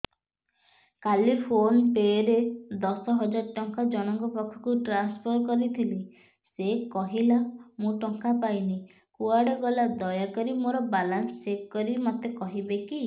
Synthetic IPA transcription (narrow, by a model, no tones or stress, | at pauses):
kalipʰonpeɾed̪ɔsɔɦɔd͡ʒaɾʈɔŋkad͡ʒɔɽ̃ɔŋkɔpɔkʰːɔ̥kuʈɾanspʰɔɾkɔɾit̪ʰili | sekɔɦilamũʈɔŋkapajni | kuaɽɔɡɔlad̪ɔjakɔɾimoɾɔbalanst͡ʃekkːɔɾimɔt̪ekɔɦibeki